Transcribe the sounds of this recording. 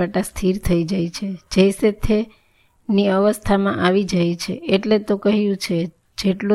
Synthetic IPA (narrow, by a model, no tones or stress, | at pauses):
əʈast̪ʰiɾt̪ʰəid͡ʒajt͡ʃʰed͡ʒeset̪ʰːe | niəʋəst̪ʰamã̰ʔaʋid͡ʒajt͡ʃʰḛeʈlet̪okəɦijũt͡ʃʰe | d͡ʒeʈlo